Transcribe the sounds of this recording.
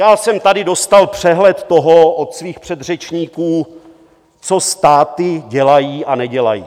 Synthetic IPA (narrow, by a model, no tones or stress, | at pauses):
jaːsɛmt̪adɪdo̞st̪alpr̝̥ɛɦlɛt̪ːo̞ɦoʔot̪sviːxpr̥ɛd̪r̝ɛt͡ʃɲiːkuː | t͡so̞st̪aːt̪ɪɟɛlajiːʔanɛɟɛla̰jḭː